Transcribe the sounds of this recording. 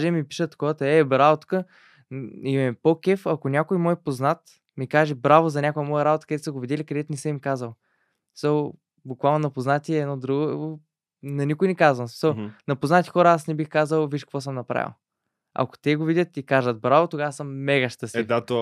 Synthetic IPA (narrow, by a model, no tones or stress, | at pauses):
ʒɛmipi̥ʃət̪ːɐ̥kɔvət̪əɛbɾavot̪u̥kə | imɛɛpokɛfɐkonʲakojmɔjpoznat̪ | mikaʒɛbɾavozɐnʲakʊjəmɔjəɾabot̪ə̥kɐd̪ɛt̪səɡovid̪ʲɛlikɐd̪ɛt̪ʊnisəmimkazəlˠ | isəlˠ | bʊkvalˠnonɐpoznat̪ʲiɛːnɔd̪ɾuɡo | nɐnikʊjnɛkazvɐnosmi̥səlˠnɐpoznat̪ʲixɔɾəasnɛbixkazəlˠviʃkəkvɔs̬əmnɐpɾa̰vʲḭlˠ | ɐ̰ko̥t̪ɛɡovidʲət̪ikaʒət̪̚bɾavot̪oɡavɐsəmːɛɡəʃt̪əsd̪at̪o